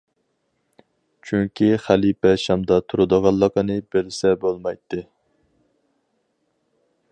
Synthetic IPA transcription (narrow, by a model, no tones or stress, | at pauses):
t͡ʃʰyŋkʲiχælipɛʃɑmd̪ɑt̪ʰuɾɨd̪əʁɑlˠːəqənɨbelsɛbolˠmɑjt̪ʰːɨ